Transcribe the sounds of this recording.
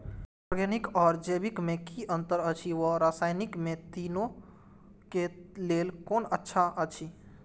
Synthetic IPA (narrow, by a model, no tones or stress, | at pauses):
ɔɾɡɛnikɔːɾd͡ʒebikmekiʔənt̪əɾət͡ʃʰiʋəɾasaːjnikmẽt̪ino | kelelkoːnətːʃʰaʔət͡ʃʰi